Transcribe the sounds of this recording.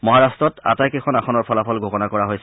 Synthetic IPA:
mɔɦaɹastɹɔta̰tajkexʰɔnaxʰɔnɔɹpʰɔlapʰɔlɡʱokɔnakɔɹaɦojsɛ

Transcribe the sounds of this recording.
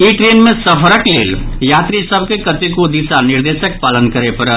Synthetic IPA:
iʈɾenmesəpʰəɾəklḛːljat̪ɾisəbʱkekət̪ikod̪isaniɾd̪esək̚palənkəɾepəɾə

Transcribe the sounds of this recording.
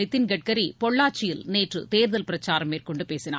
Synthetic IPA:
ɪt̪ːɪnɡɛʈ̚kɐɾipɔɭːaːt͡ʃːɪjɪlneːʈrɯ̰t̪eːɾðɐlpɪɾɐt͡ʃːaːɾɐmːeːrkɔɳɖɯpeːsɪnaː

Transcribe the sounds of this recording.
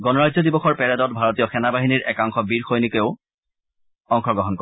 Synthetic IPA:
ɡɔnɔɹazɔdibɔxɔɹpɛɹɛdɔt̚bʱaɹɔtijɔxɛnabaɦiniɹʔɛkaŋxɔbiɹxojnikeʊ | ɔŋxɔɡɔɦɔnkɔ

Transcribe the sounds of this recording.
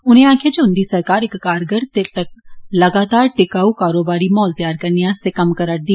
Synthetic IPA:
ʊn̤ẽãːkʰed͡ʒʊ̃nd̪isɐɾkaːɾɪkːaːɾɡəɾt̪e | lɐɡaːt̪aːɾʈɪkaːukaːɾoːbaːɾimɔːlt̪jaːɾkɐɾnijãːst̪ekɐmkɐɾəʈ̚d̪i

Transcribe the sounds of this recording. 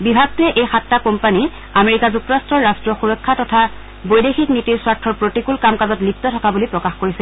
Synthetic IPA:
bibʱaɡ̚tɛʔejxatːakɔmpani | ameɹikazuk̚tɔɹastɹɔɹɹastɹɔxuɹɔkʰːatɔtʰa | bojdexiknitiɹswaɹtʰːɔɹpɹotikulkamkazɔtlip̚tɔtʰɔkabulipɹɔkaxkoɹisɛ

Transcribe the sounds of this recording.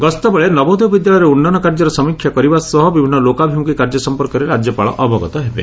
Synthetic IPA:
ɡɔst̪ɔbeɭenɔbɔd̪bid̪jaɭɔjɾeunːanɔkaɾd͡ʒɔɾɔsɔmikʰːjakɔɾibasɔɦɔbibʱinːɔlokabʱimukikaɾd͡ʒɔsɔmpɔɾkɔɾeɾad͡ʒjɔpaɭɔ̰ʔɔbʱɔɡɔt̪ɔɦebḛ

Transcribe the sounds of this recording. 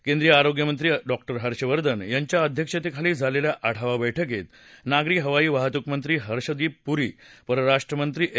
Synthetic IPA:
kend̪ɾijəaɾoɡjəmənt̪ɾiːɖɔk̚ʈəɾɦəɾɕəʋəɾd̪ənjaɲt͡ɕjaəd̪ʱjəkʂet̪ekʰaliːd͡zʱaleljaʔaʈʰaʋaʋəjʈʰək̬et̪ | naɡɾiːɦəʋaiːʋaɦt̪ukmənt̪ɾiːɦəɾɕəd̪iːppuɾḭːpəɾəɾaʂʈɾəmənt̪ɾiːʔ

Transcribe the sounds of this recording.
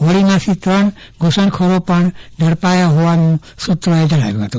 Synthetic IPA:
oɭimãt̪ʰit̪ɾəɳ | ɡʱosəɳkʰoɾopəɳd͡ʒʱəɽpajaɦoʋanũ | sut̪ɾoed͡ʒəɽ̃a̰ʋjũɦət̪ũ

